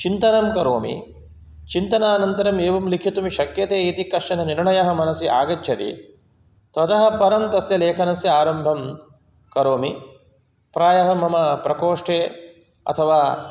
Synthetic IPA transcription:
t͡ʃint̪ɐnɐmkɐɾoːmḭ | t͡ʃint̪ɐnaːnɐnt̪ɐɾɐmeːʋɐmlikʰit̪umiʃɐkjɐt̪eːiːt̪ikɐʂɐnɐniɾɳɐjɐɦɐ̆mɐnɐsiʔa̰ːɡɐt͡ʃʰjɐt̪ḭ | t̪ɐt̪ɐɦɐ̆pɐɾɐmt̪ɐsjɐleːkʰɐnɐsjiaːɾɐmbʱɐm | kɐɾoːmi | pɾaːjɐɦɐmɐmɐpɾɐkoːʂʈʰeː | ɐ̰t̪ʰɐʋaː

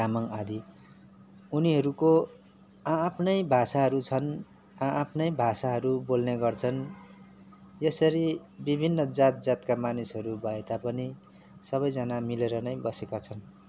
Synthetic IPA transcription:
amʌŋad̪ʱi | uniɦʌɾuko | aːpʰnʌjbʱasaɦʌɾut͡sʰʌn | ãʔapʰnʌjbʱasaɦʌɾubolneɡʌrt͡sʰʌn | jesʌɾibibʱinːʌd͡zat̪̚d͡zat̪kamanisɦʌɾubʱʌet̪apʌni | sʌβʌjd͡zʌnamileɾʌnʌjbʌsekat͡sʰʌn

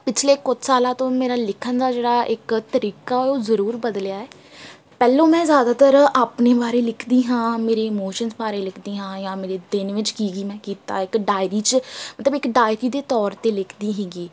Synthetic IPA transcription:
pɪt͡ʃʰleːkʊt̪ʰsaːlãːt̪õːmeːɾaːlɪkʰənd̪aːd͡ʒeːɽaːʔɪkt̪əɾiːkaːɛoːzəɾuːɾbəd̪ljaːɛː | pɛːlõːmɛ̃ːzjaːd̪aːt̪əɾaːpneːbaːɾeːlɪkʰd̪iːɦãːmeːɾeːɪmoːʃənzbaːɾeːlɪkʰd̪iːɦãːjãːmeːɾeːd̪ɪnʋɪt͡ʃkiːɡiːmɛ̃ːkiːt̪a̰ːɪkɖaːɪɾiːt͡ʃmət̪ləbɪkɖaːɪɾiːd̪eːt̪ɔːɾt̪eːlɪkʰd̪iːɦɛːɡiː

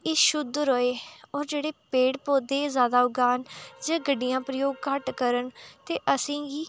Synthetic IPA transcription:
eːʃʊd̪ɾoːeːɔːɾd͡ʒeːɽeːpeːɽpoːd̪eːzjaːd̪aːʊɡaːnd͡ʒə̃ːɡəɖɪjãːpɾəjoːɡkəʈkəɾənt̪eːʔəsĩːɡiː

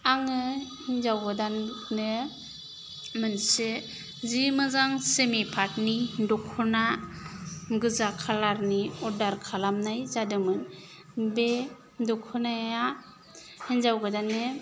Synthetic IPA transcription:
aŋɯhinzawɡɯdanːɯ | mɯnse | zimɯzaŋsemipʰat̚nidɔkʰuna | ɡɯzakʰalaɾniɔdaɾkʰalamnajzadɯmɯn | be | dɔkʰɯnaja | hinzawɡɯdanːe

